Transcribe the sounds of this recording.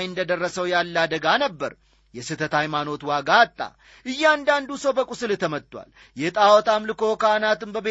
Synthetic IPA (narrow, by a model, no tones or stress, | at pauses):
jɨnd̪əd̪ərːəsəwjalːad̪əɡanəbːəɾ | jɛsɨt̪ʰət̪hajmano̞t̪waɡaːt̪ʼːa̰ | ʔɨjːɛand̪and̪usəwbəkʼusɨlt̪ʰəmət̪ʼːwʷa̰l | jɛt̪ʼawɔt̪ʰamlɨko̞kanat̪ɨmbəbe